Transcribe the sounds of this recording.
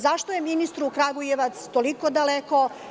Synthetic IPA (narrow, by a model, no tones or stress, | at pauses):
zaʃt̪ojeminist̪ɾuːkɾaɡujeʋat̪st̪olikod̪aleko̞